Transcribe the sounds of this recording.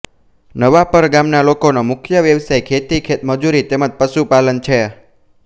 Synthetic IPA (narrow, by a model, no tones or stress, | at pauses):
nəʋapəɾɡamnalokonomʊkʰjəʋjəʋsajkʰet̪ikʰet̪məd͡ʒuɾit̪eməd͡ʒpəʃupalənt͡ʃʰe